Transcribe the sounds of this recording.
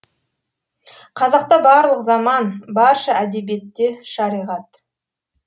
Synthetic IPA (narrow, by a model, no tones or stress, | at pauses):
qʰɑzɑqt̪ɑbɑɾlˠəqzɑmɑnbɑɾʃɑʔæd̪e̞bije̞t̪ːe̞ʃɑɾijʁɑt̪